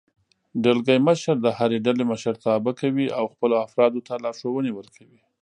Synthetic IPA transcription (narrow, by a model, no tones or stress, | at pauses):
ɖəlɡajməʃaɾd̪əhaɾeɖaleməʃəɾt̪ɑbakawiʔawxpəloafɾɑd̪ot̪alɑɾʂowəniwəlkʰawi